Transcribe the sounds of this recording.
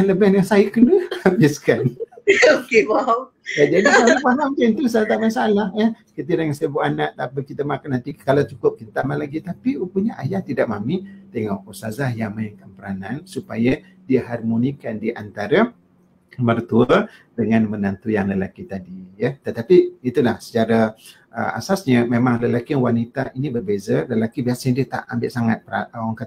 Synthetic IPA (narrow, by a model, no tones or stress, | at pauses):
anləbɛnjaŋsaikələhabɪskanokewa | jad͡ʒadiamipalampɛnt̪usat̪aʔmasaalahəkət̪̬iɾaŋasaəbuʔanaʔt̪apəkit̪əmakanant̪ikalawt͡ʃukʊp̚kint̪amalaɡit̪apiukuɲaʔajaht̪idaʔ̚mamit̪eŋɔʔusazahjaŋmaɪŋkanpəɾanansupaja | diəɦarmonikandiʔant̪aɾə | mərt̪uədəŋanmənant̪ujaŋləlakit̪adijət̪ət̪apiit̪ulahsə̥t͡ʃaɾə | ʔə̰a̰sasɲəmemãŋləlakiaŋwanit̪aʔinĩbərbezələlakibiasaɲədiət̪a̰ʔa̰mbɪʔsaŋat̪̚pɾawaŋka